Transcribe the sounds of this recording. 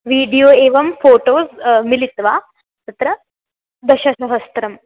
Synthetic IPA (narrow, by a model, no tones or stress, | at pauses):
ʋiːɖijoːeːʋɐmfoːʈoːsmilit̪ʋaː | t̪ɐt̪ɾɐ | d̪ɐɕɐsɐɦɐst̪ɾɐm